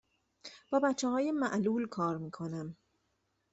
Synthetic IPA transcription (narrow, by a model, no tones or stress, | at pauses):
b̥ɒːbæt͡ʃʰːehɒːje̞mæʔluːlkʰɒːɾmiːkʰo̞næm